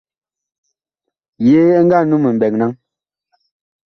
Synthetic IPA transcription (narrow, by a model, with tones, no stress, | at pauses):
je˨˦ŋ̩˦ɡa˦˨˦nu˦mə˨m̩˨bɛ˨ŋna˦ŋ